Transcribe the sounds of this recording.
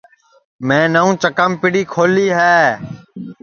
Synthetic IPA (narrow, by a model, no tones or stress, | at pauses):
mẽːnəũːt͡ʃəkəmpɪɽiːkʰoːliːɦɛː